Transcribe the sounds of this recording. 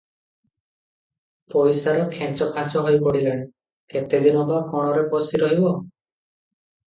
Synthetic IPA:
pɔjsaɾɔkʰẽt͡ʃɔkʰat͡ʃɔɦojpɔɽileɽ̃e | ket̪ed̪inɔbakɔɽ̃ɔɾepɔsiɾɔɦibɔ

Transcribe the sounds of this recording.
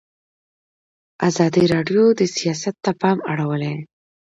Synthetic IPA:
azɑd̪iɾɑɖjod̪əsijɑsat̪ːapɑmaɽawəle

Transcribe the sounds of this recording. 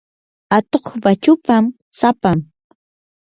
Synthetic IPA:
at̪oχbat͡ʃʊpam | sapam

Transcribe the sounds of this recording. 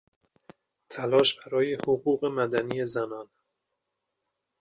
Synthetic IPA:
t̪ʰælɒːʃb̥æɾɒːjehoɣuːɣe̞mæd̪æniːjezænɒːn

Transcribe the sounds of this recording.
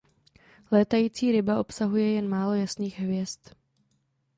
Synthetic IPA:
lɛːt̪ajiːt͡siːɾɪbaʔo̞psaɦujɛjɛnmaːlo̞jasniːɣɦvjɛst̪

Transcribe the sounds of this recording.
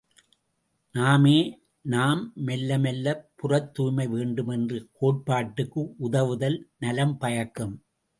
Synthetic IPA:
naːmeː | naːmːɛlːɐmɛlːɐpːʊrɐt̪ːuːjmɐɪʋeːɳɖɯmɛndrɯkoːʈ̚paːʈːɯkːɯʔʊðɐʋɯðɐlnɐlɐmpɐjɐkːɐm

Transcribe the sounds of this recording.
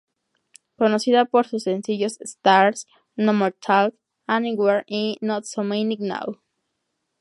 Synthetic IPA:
konosiðapoɾsusẽnsiʝosst̪aɾs | nõmoɾt̪ʰalt | anĩɡweɾinot̪somenikna̰w

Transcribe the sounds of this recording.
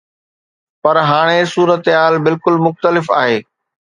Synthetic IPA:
pɐɾɦaːɽ̃esuːɾət̪ɦaːlbɪlkʊlmʊxt̪əlɪfa̰ːɦeː

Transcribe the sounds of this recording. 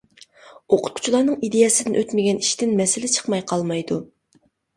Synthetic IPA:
oqʰʊ̥t̪̚qʰʊ̥t͡ʃʰulˠɑːnɨŋid̪ejɛsɪd̪ɪnʔøt̪mɪɡʲɛniʃt̪ɪnmɛsɪlɪt͡ʃʰə̥χmɑjqʰɑlˠmɑjd̪u

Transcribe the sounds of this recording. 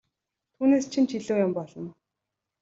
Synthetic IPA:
t̪ʰuːneːst͡ɕʰint͡ɕʰiɮuːjʊmpɔɮɞ̆n

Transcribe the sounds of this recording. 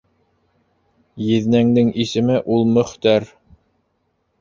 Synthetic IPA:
jɘ̆ðnæŋd̪ɘŋisɘ̆mɘʔulˠmɵ̆χt̪æɾ

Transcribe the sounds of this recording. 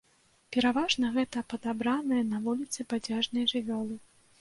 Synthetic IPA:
pʲɛɾavaʐnɐɣɛt̪ɐpɐd̪abɾanɐjɐnɐvulʲit̪sɨpad͡zʲaʐnɐjʐɨvʲɔlˠɨ

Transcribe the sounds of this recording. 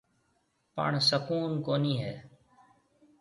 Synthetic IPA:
pə̰ɳsəkuːnkoːniːɦeː

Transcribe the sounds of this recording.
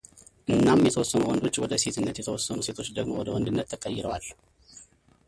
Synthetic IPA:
ʔɨnːamjɛt̪ʰəwɔsːənuwɔnd̪o̞t͡ʃːwɔd̪əse̞t̪ʰɨnːət̪jɛt̪ʰəwɔsːənuse̞t̪ʰo̞t͡ʃːd̪əɡmowɔd̪əwɔnd̪ɨnːət̪ʰːɨkʼəjːɪɾəwalː

